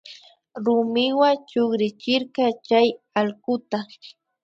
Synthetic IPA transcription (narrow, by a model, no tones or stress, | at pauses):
ɾʊmɪwat͡ʃoχɾɪt͡ʃɪɾkat͡ʃaj | aɑlkʊt̪a